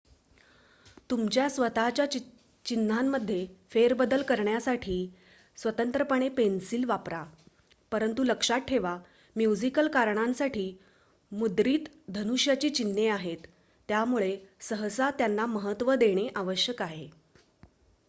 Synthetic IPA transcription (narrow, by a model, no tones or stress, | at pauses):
t̪umt͡ɕjasʋət̪at͡ɕja | t͡ɕinːamːəd̪ʱːjefeɾbəd̪əlkəɾɳjasaʈʰiː | sʋət̪ənt̪ɾəpəɳ̃epensiːlʋapɾa | pəɾənt̪uləkʂat̚ʈʰːeʋa | mjud͡zikəlkaɾɳãnsaʈʰiː | mud̪ɾiːt̪ | d̪ʱənuʂjat͡ɕiːt͡ɕinːeaɦet̪ː | jamuɭesəɦəsat̪janːaməɦət̪ʋəd̪eɽ̃eʔaʋəɕjəkaɦe